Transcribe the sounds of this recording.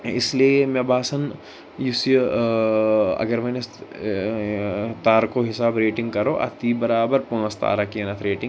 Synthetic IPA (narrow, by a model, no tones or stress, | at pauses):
ɪ̰sliemɐ̃baːsɐn | jusj | ɐ̰ɡɐɾʋɐ̃nɐs | t̪aːɾkoɦɪsaːbɾeːʈɪ̃ŋɡkɐɾoːʔɐ̰t̪ibɐɾaːbəɾpoːst̪a̰ːɾakiɐnɐt̪ʰɾeːʈɪ̃ŋ